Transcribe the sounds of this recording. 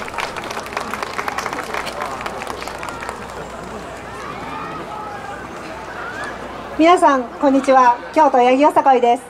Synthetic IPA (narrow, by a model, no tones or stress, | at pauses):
mʲinasãŋkõ̞ɲ̟ːit͡ɕiβakʲo̞ːt̪o̞jaɡʲiosakoid̪e̞sɨ̥